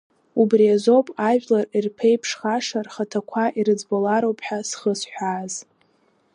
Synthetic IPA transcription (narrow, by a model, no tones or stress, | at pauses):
ubriazo̞pʼaʒᶣlarirpʰe̞jpʰʂχaʂarχatʰakʷʰaʔiɾɨd͡zbolaɾowpʰħasχəsħʷᶣaːz